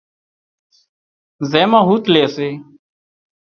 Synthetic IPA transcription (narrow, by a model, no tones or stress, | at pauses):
zɛːmãːɦuːt̪leːseː